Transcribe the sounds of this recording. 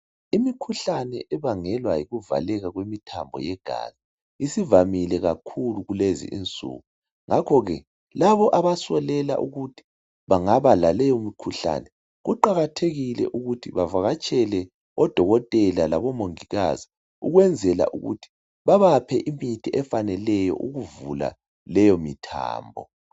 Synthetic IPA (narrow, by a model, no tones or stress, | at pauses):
imikʰuɬanɛʔɛβaŋɛlwajiɣuva̰lɛɣaɣwemitʰambʱɔ̰jɛɡ̥ʱa̰zi | isivamilɛɣakʰuluɣulezḭʔḭnt͡sʼṵːɣu | ŋʔakʰɔɣɛ | laβɔʔaβasɔlɛla̰ʔuɣutʰi̥ | βaŋaβalalɛɔumikʰuɬa̰nɛ | ɣuǃaɣatʰeɣilɛ̰ʔuɣutʰiβavaɣat͡ʃʼɛlɛ | ɔd̥ʱɔɣɔtʼɛlalaβɔmoŋiɣazi | uɣwɛnd͡zʱɛla̰ʔṵɣṵtʰi̥ | βaβapʰɛʔimitʰiɛfanɛlɛjɔ̰ʔuɣuvula̰ | lɛjɔmitʰa̰ːmbʱɔ